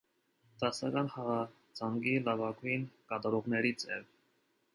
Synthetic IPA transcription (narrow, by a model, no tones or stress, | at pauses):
d̪̥ɑsɑkɑnhɑʁɑ | d͡zɑŋɡilɑvɑkujnkɑt̪ɑɾɔʁnɛɾit͡sʰɛ̰l